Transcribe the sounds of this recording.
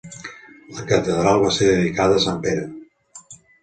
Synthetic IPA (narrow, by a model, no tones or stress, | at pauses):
ləkət̪əðɾalˠβaseɾðəðikaðəsampeɾə